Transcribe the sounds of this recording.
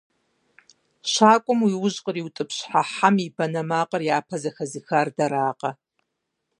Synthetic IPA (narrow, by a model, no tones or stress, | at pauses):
ʃaːkʷʼʊmwiwʊʑqʼəriwtʼɨpʰɕħaħamibɐnɐmaːqʼərjaːpʰɐzɐxɐzixardɐɾaːqʼɐ